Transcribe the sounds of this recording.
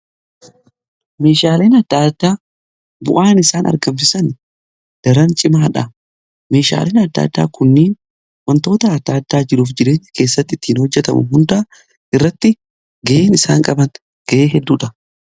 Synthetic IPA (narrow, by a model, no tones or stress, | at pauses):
me̞ːʃaːleːnɐd̪ːaːd̪ːaː | bʊ̰ʔaːnɪsaːnɐ̰ɾɡɐmfɪsɐn | d̪̥ɐɾɐnt͡ʃʼɪmaːᶑɐ | me̞ːʃa̰ːleːnɐd̪ːa̰ːd̪ːa̰ːkʰʊnːiːn | wɐnt̪o̞ːt̪ɐːd̪ːaːd̪ːaːd͡ʒɪɾuːfd͡ʒɪɾe̞ːɲːɐ̥ke̞ːsːɐt̪ːɪt̪ːiːnhɔd͡ʒːɛt̪ɐmʊ̰hʊnd̪ɐʔɐ | ʔɪrːɐt̪ːɪ | ɡɐʔeːnɪsaːŋkʼɐbɐn | ɡ̥ɐʔeːɦɛd̪ːuːᶑɐ